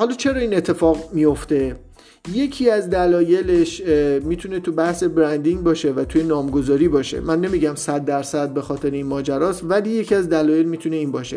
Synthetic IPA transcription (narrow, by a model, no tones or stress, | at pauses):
hɒːlɒːt͡ʃʰe̞ɾɒːiːne̞t̪ʰːe̞fɒːɣmijo̞ft̪e̞ | je̞cʰiæzd̪ælɒːje̞leʃmiːt̪ʰune̞t̪ʰubæhse̞bɾænd̪iŋɡbɒːʃe̞væt̪ʰuje̞nɒːmɡo̞zɒːɾiːbɒːʃḛmænːe̞miɟæmsæd̪ːæɾsæd̪̚be̞xɒːt̪ʰe̞ɾeinmɒːd͡ʒæɾɒːsvælije̞cʰiæzd̪ælɒːje̞lmiːt̪ʰune̞iːnbɒːʃe̞̰